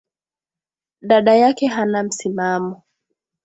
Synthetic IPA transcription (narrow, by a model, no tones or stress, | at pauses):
ɗaɗajakɛɦanam̩simamɔ